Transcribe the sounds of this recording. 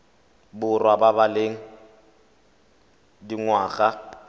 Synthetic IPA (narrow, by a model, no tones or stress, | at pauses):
bʊrwababaleːŋ̩ | diŋwaːɣa